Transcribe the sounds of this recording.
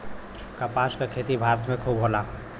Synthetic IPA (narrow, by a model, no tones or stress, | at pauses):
kapaskekʰet̪ibʱaɾət̪ʰmekʰobɦola